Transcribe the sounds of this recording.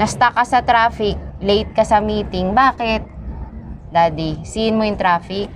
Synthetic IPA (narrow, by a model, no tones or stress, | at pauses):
nɐst̪ɐkɐsɐt̪ɾaːfɪk̚lejt̪̚kɐsɐmiːt̪ɪŋbaːkɛt̪̚ | d̪aːd̪isiɪnmojʊŋt̪ɾaːfɪk̚